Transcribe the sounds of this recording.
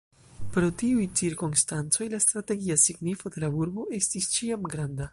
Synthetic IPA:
pɾo̞tiujt͡siɾkonstant͡so̞jlastɾate̞ɡiasiɡnifode̞lauɾbo̞ʔe̞stist͡ʃiamɡɾanda

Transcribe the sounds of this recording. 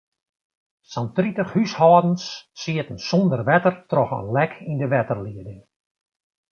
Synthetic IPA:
santritəxhyshɔːdən̩sːiətn̩sɔndərʋɛtərtrɔxə̰nlɛkʰindəʋɛtərliədɪŋ

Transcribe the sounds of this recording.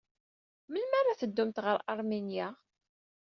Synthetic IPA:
məlmaɾˤːaθəd̪ːumt̪ʁəɾʔaɾˤminja

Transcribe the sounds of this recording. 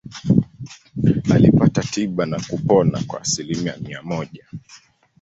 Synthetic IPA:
alipatatʰiɓanakupɔna̰kwa̰ːsilimija̰miamɔʄa

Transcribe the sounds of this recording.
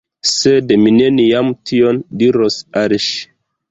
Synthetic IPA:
sedmine̞nijamtʰiondiɾosaɾʃ

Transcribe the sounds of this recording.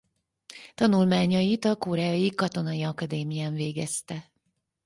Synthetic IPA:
t̪ɒnulmaːɲɒjit̪ɒkoːɾɛːjɒjikɒt̪o̞nɒjiɒkɒd̪eːmijaːɱveːɡɛst̪ɛ

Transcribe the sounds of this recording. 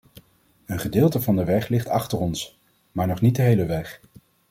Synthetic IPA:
ənχədɪːlˠtəvɑndəʋɛχlɪχtɑχtərɔns | maːɹnɔχnit̚dəɦejləʋɛχ

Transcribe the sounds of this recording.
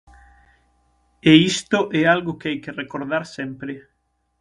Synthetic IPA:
eist̪ʊʔɛalɣʊkeajkerekoɾðaɾsɛmpɾɪ

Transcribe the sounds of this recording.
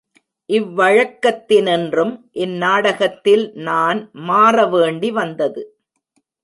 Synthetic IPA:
ʔɪʋːɐɻɐkːɐt̪ːɪnɛndrɯmʔɛnːaːɽɐɣɐt̪ːɪlnaːnmaːrɐʋeːɳɖiʋɐnd̪ɐðɯ

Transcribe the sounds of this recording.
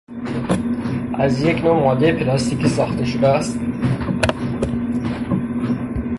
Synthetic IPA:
ʔæzjeknomɒd̪epʰlɑst̪ikisɒːχt̪eʃod̪ææst̪

